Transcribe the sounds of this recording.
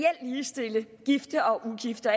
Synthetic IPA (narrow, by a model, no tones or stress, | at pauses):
el̰liːsd̥e̝ləɡ̥ifd̥ɐʔɒ̽ʊʔuɡ̥ifd̥ɐ